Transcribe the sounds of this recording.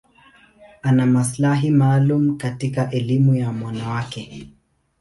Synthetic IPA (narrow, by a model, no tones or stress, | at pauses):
anamaslaɦimaːlum̩katikaʔɛlimujamwanawakɛ